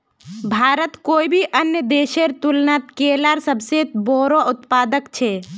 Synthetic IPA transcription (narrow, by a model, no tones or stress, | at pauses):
bʱaːɾət̪koːibʱiʔənjəd̪eːʃeɾt̪ʊlnat̪keːlaɾsəbseboːɾoʔʊt̪paːd̪əkt͡ʃʰe